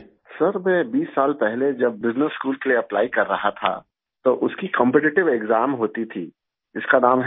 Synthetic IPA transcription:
sɐɾmɛ̃ːbiːsːaːlpɛɦled͡ʒɐb̚ːɪznəsːkuːlkelieɐplaːikɐɾːɐɦat̪ʰa̰ | t̪oʔʊskikɐ̃mpɛʈɪʈɪʋeːɡzaːmɦoːt̪it̪ʰiː | ɪskanaːmɦ

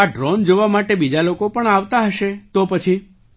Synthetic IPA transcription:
aɖɾɔnd͡ʒoʋamaʈebid͡ʒalokopəɳaʋt̪aɦəʃet̪opət͡ʃʰi

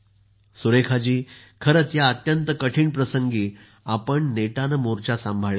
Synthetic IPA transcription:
suɾekʰad͡ʑiː | kʰəɾət͡s̪jaət̪jənt̪əkəʈʰiːɳpɾəsəŋɡiː | apəɳneʈanəmoɾt͡ɕasãmbʱaɭe

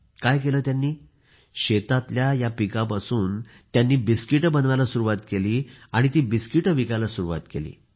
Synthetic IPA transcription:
kajkeləːt̪janːiː | ɕet̪at̪ljajapikapasuːn | t̪janːiːbiskiʈəbənʋalasuɾuʋat̪keliːaɽ̃it̪iːbiskiʈəʋikalasuɾuʋa̰t̪kḛlḭː

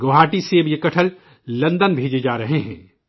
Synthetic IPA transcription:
ɡoːɦaːʈiseːbjekɐʈʰəl | lɐ̃nd̪ənbʱeːd͡ʒed͡ʒaːɾɐɦeɦɛ̰̃ː

